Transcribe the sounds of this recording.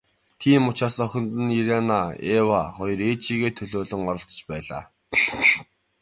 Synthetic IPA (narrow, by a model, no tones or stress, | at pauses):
t̪ʰiːmʊt͡ɕaːsɔxʲɪ̆nt̪ɘ̆niɾanaewaχɔjɞ̆reːt͡ɕʰiːɣeːt̪ʰɵɮoːɮɵ̆ŋɔɾɞ̆ɬt͡sɞ̥̆t͡ɕpæːɮa̰ː